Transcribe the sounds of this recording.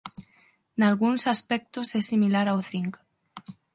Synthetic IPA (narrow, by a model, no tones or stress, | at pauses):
nalɣunsaspɛk̚t̪osɛsimilaɾawθiŋk